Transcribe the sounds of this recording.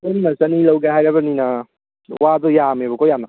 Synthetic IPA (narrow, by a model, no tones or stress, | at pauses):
oninɐsɐnilɐwɡaɦajɾabɐɾninɐ | wad̪ɔjamebɐkʰojanːɐ